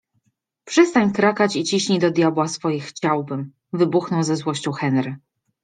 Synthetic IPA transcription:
pʂɛst̪aɲkɾakat͡ɕit͡ɕiɕɲid̪ɔd̪ʲjabwasfɔjixt͡ɕawbɘm | vɘbuxnɔwzɛzwɔɕt͡ɕɔ̃wxɛnɾɘ

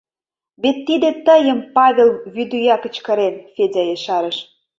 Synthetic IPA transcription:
βet̪ːid̪ĕt̪əjə̆mpɑβʲelβyd̪yjɑkə̆t͡ɕkə̆ɾenfedʲɑjeʃɑɾəʃ

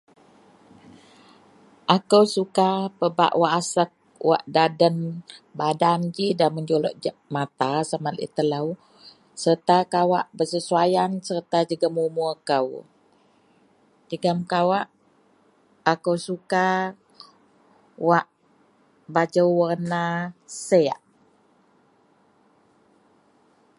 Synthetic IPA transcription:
ʔakəwsukapəba̰ʔwaʔasək̚wa̰ʔdadənbadand͡ʒidaməɲd͡ʒolɔʔd͡ʒmat̪asamalḭt̪ələw | sərt̪akawaʔbəsəsuajansərt̪ad͡ʒəɡəmumuakəw | d͡ʒəɡəmkawaʔ | kəwsuka | waʔ | bad͡ʒəwwərnasəaʔ

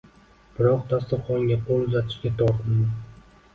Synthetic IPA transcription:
b̥ɪɾɒqt̪ʰast̪ɨχɒŋɡʲaqʰolˠʊzat̪ʰɪ̥ʃkʲat̪ʰɒɾt̪ʰɪnd̪ɪ

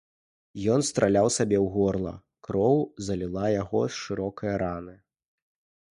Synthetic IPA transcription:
jɔnst̪ɾʔalʲawsabʲɛwɣɔrlˠɐ̰ | kɾɔwzɐlʲilˠajaɣɔ̰sʂɨɾɔkɐjɐɾanɨ

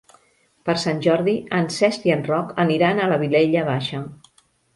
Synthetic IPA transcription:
pəɾsanʲʒɔɾðiənsɛst̪iənrɔkəniɾanələβileʎəβaʃə

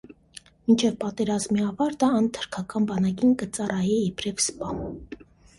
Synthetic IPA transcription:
mint͡ʃʰɛvpɑt̪ɛɾɑzmiɑvɑɾt̪əɑnt̪ʰə̥ɾkʰɑkɑnbɑnɑkinkət͡sɑrɑjɛɛpɾɛvspɑn

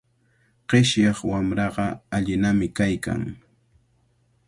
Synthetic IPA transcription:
qeʃjɑχwamɾɑɢɑaʎɪnamɪkajka̰ŋ

